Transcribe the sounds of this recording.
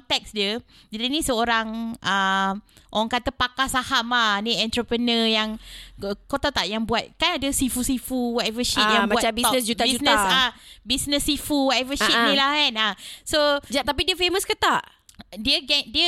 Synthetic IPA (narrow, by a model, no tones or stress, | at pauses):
t̪ɛk̚sdiə | d͡ʒdinĩsəoɾaŋʔə | ʔoaŋkat̪əpakasahamaniɛ̃nt̪ɾəpɾənəjaŋəkot̪at̪aʔjaŋbuat̪̚kanadəsifusifuwɔtɛvəʃit̪̚jaŋbmauatt͡ʃabisɔnəsd͡ʒut̪abid͡ʒusnə̃sabisnə̃sːifuwɔtɛvəʃinĩlahkanasod͡ʒat̪apidiəfeməskət̪aʔ | diəɡɛdiə